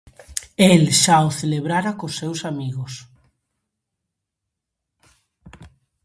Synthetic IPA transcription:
elʃaoθeleβɾaɾakosːewsamiɣos

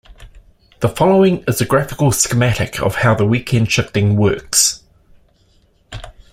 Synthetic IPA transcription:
ðəfɒləʊɪ̃ŋɪzəɡɹæfɪkəlˠsɪ̥kəmæɾɪ̰kʰə̰v̥haʊðəwiˑkʰɛ̃nd̥ʃɪftɪ̃ŋwɜˑks

